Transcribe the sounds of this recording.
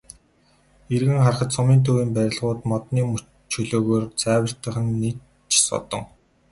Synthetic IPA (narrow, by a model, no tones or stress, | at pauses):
erɣɘ̆ŋχarχə̆t̪sʊmiːnt̪ʰuwiːmpæɾʲɪ̆ɮʁʊːt̪mɔt̪niːmɵ | t͡ɕʰɵɮoːɣoːrt͡sʰæːwə̆r̥t̪ə̆χə̆nːi | t͡ɕsɔ̰t̪ɞ̆ŋ